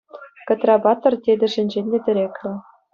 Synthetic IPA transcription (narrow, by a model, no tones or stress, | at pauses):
kɤ̆t̪rɑbɑt̪ɤ̆rt̪ʲedʲɘ̆ʐɘ̆nʲd͡ʑenʲdʲĕd̪ʲɘ̆ɾʲekʲlʲɘ̆